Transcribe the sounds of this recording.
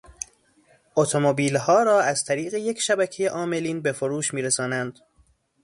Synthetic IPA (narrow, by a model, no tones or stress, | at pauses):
ʔot̪ʰomobiːlhɒːɾɒːæzt̪ʰæɾiːɣe̞je̞cʰʃæbæcʰe̞jeʔɒːme̞liːnbe̞foɾuːʃmiːɾesɒːnænd̪̥